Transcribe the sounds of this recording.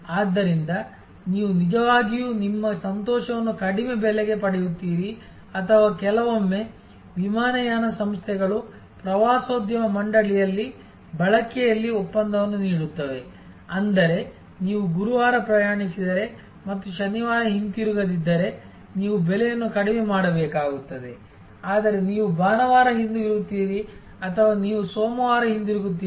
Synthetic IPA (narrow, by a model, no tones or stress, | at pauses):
aːd̪ːɐɾind̪ɐ | niːʋunid͡ʒɐʋaːɡijuːnimːɐsɐnt̪ɔːʃɐʋɐnːukɐɽimebɛlɛɡe̞pɐɽɛjut̪ːiːɾi | ɐt̪ʰɐʋaːkɛlɐʋomːe̞ | ʋimaːnɐjaːnɐsɐmst̪ʰɛɡɐɭu | pɾɐʋaːsoːd̪jɐmɐmɐɳɖɐɭijɐlːi | bɐɭɐkɛjɐlːiɔpːɐnd̪ɐʋɐnːuniːɽut̪ːɐʋe̞ | ɐnd̪ɐɾe̞ | niːʋuɡuɾuʋaːɾɐpɾɐjaːɳisid̪ɐɾe̞ | mɐt̪ːuʃɐniʋaːɾɐɦind̪iɾuɡɐd̪id̪ːɐɾe̞ | niːʋubɛlɛjɐnːukɐɽɛmemaːɽɐbɛːkaːɡut̪ːɐd̪e̞ | aːd̪ɐɾe̞niːʋubaːnɐʋaːɾɐɦind̪uɡiɾuɡut̪ːiːɾi | ɐt̪ʰɐʋaːniːʋusoːmɐʋaːɾɐɦind̪iɾuɡut̪̬ːiː